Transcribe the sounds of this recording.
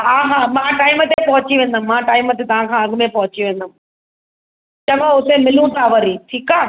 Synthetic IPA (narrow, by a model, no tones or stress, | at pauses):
aːɦãmãʈaːɪmət̪epɐɦʊt͡ɕiʋẽːnd̪əmːãːʈaːɪmət̪et̪ɐʋ̤ãːkʰãːɐɡmẽpɐɦʊt͡ɕiʋẽːnd̪əm | t͡ɕɐʋãʊt̪emɪlũʈaːʋəɾiʈʰiːkaː